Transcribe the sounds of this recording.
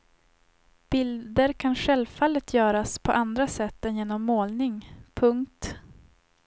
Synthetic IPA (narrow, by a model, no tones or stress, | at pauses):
b̥ɪld̪əɾkʰanɧɛlvfalːət̪ʰjœːɾaspʰɔʔand̪ɾasɛt̪ːɛnjeːnɔmːoːlnɪŋpʰɵŋkt̪